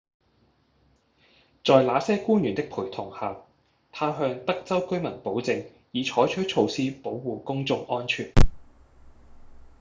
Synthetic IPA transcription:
t͡sɔː˨˧jlaː˨˥sɛː˥kuː˥njyː˨˩nt̪ɪ˥k̚pʰuː˨˩jt̪ʰʊ˨˩ŋhaː˨w | t̪ʰaː˧˥wɦœː˧ŋt̪ɐ˥k̚t͡sɐ˥wkɵ˥ɥmɐ˨˩npo˨˥wt͡sɪ˨ŋ | jiː˨˧t͡ʃʰɔː˨˥jt͡ʃʰɵ˥t̚t͡ʃʰo˧wsiː˥po˨˥wːuː˨kʊ˥ŋt͡sʊ˨ŋʔɔː˥nt͡ʃʰyː˨˩n

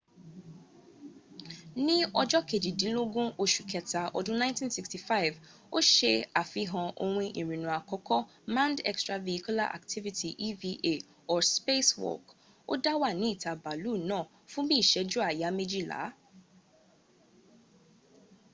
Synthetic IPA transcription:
nĩ˦ɔ˦d͡ʒɔ˦ke˨d͡ʒi˨dĩ˨˦lo˦ɡũ˦o˧ʃu˨kʰɛ˨ta˨ʔɔ˨dʊ̃˦nã˦ntĩ˦nsi˨ksti˨fa˦ɪ˨v | o˦ʃe˦a˨fi˦ɦɔ̃˧ʔo˧ɾũ˧ʔĩ˨ɾĩ˨nũ˨a˨kɔ˦kʰɔ˦ | mã˦ndɛ̰˦˨kstɾa˧˨vi˨i˦ku˦la̰˦ʔa̰˨ktʰi˦vi˨tʰi˨ʔi˦vi˦ʔe˦˨ | ɔ˨spe˦swɔ̰˨k | o˦da˦wa˦˨nĩ˨˦i˦˨tʰa˨ba˨luː˦˨nãː˦˨ | fũ˦bi˦˨ʃɛ˨˦d͡ʒu˦a˨ja˨˦me˦d͡ʒi˦la̰˨˦

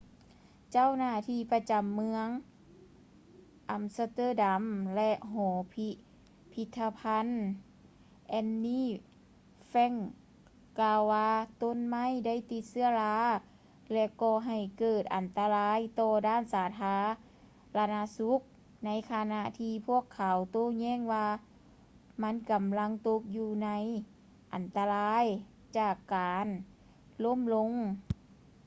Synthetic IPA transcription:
t͡ɕa˥˨wnaː˧˩t̪ʰiː˧pa˧t͡ɕa˨˩mːɯ˧əŋ | ʔa˨˩msa˧t̪ɤː˧˥˨da˨˦mlɛ˧ʔɦɔː˨˩˦pʰi˧ | pʰi˧t̪ʰːa˧pʰa˧˥˨n | ʔɛ˧nːiː˧˥ | fɛ˧˥˨ŋ | kaː˧wwaː˧t̪o˧˥˨nma˧˥˨jda˥˨jt̪i˧˦t̪̚sɯ˧ɐlaː˧˥ | lɛ˧kɔː˧˩ɦa˨˩jkɤː˨˩t̪̚ʔa˨˩˨nt̪a˧laː˧˥˨jt̪ɔː˧daː˧˥˨nsaː˨˦t̪ʰaː˧˥ | la˧naː˧su˧˦˥k̚ | na˧˥jkʰaː˧na˧ʔt̪ʰiː˧pʰu˧˥˩əkʰːa˨˦wt̪oː˧˨ɲɛː˧˥˨ŋwaː˧ | ma˧˥˨nka˨mla˧˥ŋt̪o˧˦k̚juː˧na˧˥j | ʔa˨nt̪a˧laː˧˥˨j | t͡ɕaː˧˩kːaː˨n | lo˧˥˨mlo˧˥ŋ

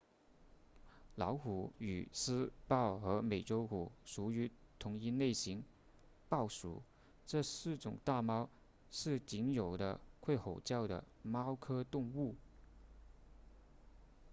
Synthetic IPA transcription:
lɑ˧˥ʊxu˨˥˩y̰˨˩sɹ̩˥pɑ˥˩ʊxɤ˧˥me˨˩ɪʈ͡ʂo˥ʊku˨˩ʂu˧˥y˧˥t̪ʰʊ˧˥ŋi˥ne˥˩ɪɕi˧˥ŋ | pɑ˥˩ʊʂṵ˨˩˦ | ʈ͡ʂɤ˥˧sɹ̩˥˩ʈ͡ʂʊ̰˨˩ŋt̪a˥˩mɑ˥ʊ | ʂɻ̩˥˩t͡ɕi˧˥ŋjo˨˩ʊd̪ə̰˦kʰwe˥˩ɪxo˨˩ʊt͡ɕjɑ˥˩ʊd̪ə̰˩ | mɑ˥ʊkʰɤ˥t̪ʊ˥˧ŋu˥˩

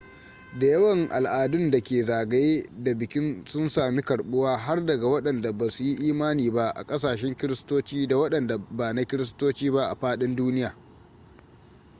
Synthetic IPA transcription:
da˨jɐ˦wɐ˦˨ŋʔa̰˨lʔaː˨dʊ˦nda˨kʲeː˨zaː˨ɡa˦jda˨bɪ˨kʲɪ˦nsʊ˦nsaː˨mi˦kɐ˨ɽɓʊ˦waː˦ɦa˦rdɐ˨ɡa˨wɐ˦ɗɐ˨nda˨baː˨su˨ji˦ʔiː˦maː˦niː˨ba˦ʔa̰˨kʼɐ˦saː˨ʃɛ˦ŋkʲɪ˦ɾɪ˦stoː˦t͡ʃiː˦da˨wɐ˦ɗɐ˨nda˨baː˨na˦kʲɪ˦ɾɪ˦s̬toː˦t͡ʃiː˦ba˦ʔa̰˨ɸaː˦ɗɪ˦nduː˦nɪ˦jaː˨

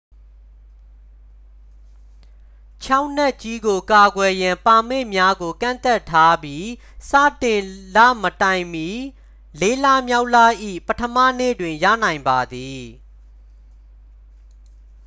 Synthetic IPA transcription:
t͡ɕʰa˦ʊn̥ɛ˦ʔt͡ɕi˦ɡo˨ka˨ɡwɛ˨jã˨mpa˨me˦˨mja˦ɡo˨kã̰˦˨nt̪ɛ˦˨tʰːa˦bji˦ | sa̰˦˨tɪ̃˨la̰˦˨mətã˨ɪ̃mji˨ | le˦la˦mja˦ʊʔla˦˨ʔḭ˦˨pətʰəma̰˦˨nḛ˦˨dwɪ̃˨ja̰˦˨nã˨ɪ̃mba˨d̪i˨

